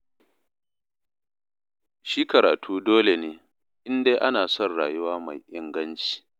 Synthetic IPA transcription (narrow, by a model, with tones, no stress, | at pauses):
ʃiː˦kɐ˨ɾaː˨tʰuː˦doː˦le˨neː˦ | ʔɪ˦nde˦ʔa˦naː˨sɔ˦˨nɽa̰ː˨ju˦waː˦ma̰˨jʔɪ˦ŋɡɐ˦nt͡ʃi̥ː˨